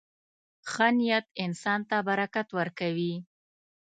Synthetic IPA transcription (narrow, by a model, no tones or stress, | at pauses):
xanijat̪̚ɪnsɑnt̪abaɾakat̪wəɾkawi